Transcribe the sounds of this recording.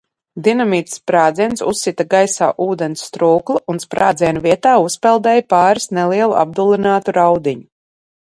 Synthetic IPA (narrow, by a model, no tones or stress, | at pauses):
d̪inamiːt̪spɾaːd̪ziɛnsṵsːit̪aɡajsa̰ːʔuːd̪ɛnsːt̪ɾuːklˠuʔunspɾa̰ːd̪zʲiɛnuviɛt̪aːuspɛlˠd̪ɛjpaːɾisnɛliɛlˠṵʔa̰b̚d̪ulˠinaːt̪uɾawd̪iɲu